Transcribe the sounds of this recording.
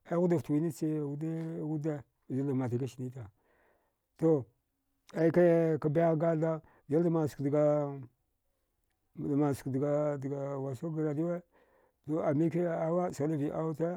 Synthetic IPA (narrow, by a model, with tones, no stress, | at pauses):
a˦ɣu˦da˨ftwi˦ni˦t͡ʃe˦˨wu˦de˦ɣu˦da˦˨ | d͡ʒa˦la˨ma˨t̬a˨ka˦ʃi˨ni˦ta˨ | to˦ | a˦i˦ka˦ka˦ba˦ja˦ɡa˦da˦ | d͡ʒa˦la˦ma˨skdɡa˨ | dma˨su̥˨kdɡa˨dɡa˨wa˨sa˦ɡa˨ɾa˨di˦we˦ | to˨a˨mi˦k̬e˦˨a˦wa˦˨sa˨˦la˦vi˨ʔa˦wu˦ta˦